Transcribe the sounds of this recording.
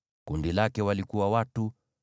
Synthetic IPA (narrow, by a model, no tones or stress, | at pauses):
kundilakɛwalikuwawatu